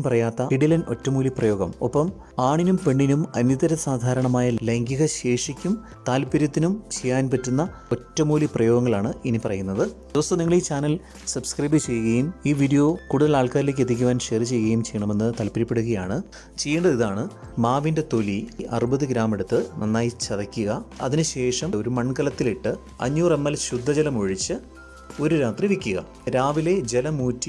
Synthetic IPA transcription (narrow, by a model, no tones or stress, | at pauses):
mpɐrɐjaːt̪ːɐiɽilɐnʔo̞̰tːɐmuːliprɐjo̞ːɡɐmopːɐm | aːɳinumpe̞ɳːinumɐnjɐt̪ɐɾɐsaːd̪ʱaːɾɐɳɐmaːjɐleŋɡiɣɐɕe̞ːʂikʲːum | t̪aːlpːɐɾjɐt̪ːinumt͡ɕejːaːnpɐtːunːɐo̞tːɐmuːliprɐjo̞ːɡɐŋːɐɭaːɳɨinipɐrɐjunːɐðɨd̪̥iʋɐst̪ɐmniŋːɐɭiːt͡ɕaːnɐl | sɐbskrɐːbɨt͡ɕe̞jːuɣɐjumiːʋiːɽijo̞ːkuːɽuðɐlaːɭkaːɾilek̬ːet̪ːik̬ʲːuʋaːnɕerit͡ɕe̞jːuɣɐjumt͡ɕe̞jːɐɳɐme̞nːɨt̪ɐlpɐɾipːe̞ɽuɣɐjaːɳɨ | t͡ɕe̞jːeɳɖɐðiðaːɳɨmaːʋinde̞t̪o̞liʔɐ̰rɨbɐðɨɡɾaːme̞ɽut̪ːɨnɐnːaːjit͡ɕɐðɐkʲːuɣɐɐ̰ðinɨɕe̞ːʂɐmo̞ɾumɐɳkɐlɐt̪ːiliʈːɨ | ɐ̰ɲːuːremːɐlɕud̪ʱːɐd͡ʑɐlɐmoɻit͡ɕːɨ | o̞ɾuɾaːt̪riʋikʲːuɣɐ̰ | ɾaːʋile̞d͡ʑe̞lɐmuːtːi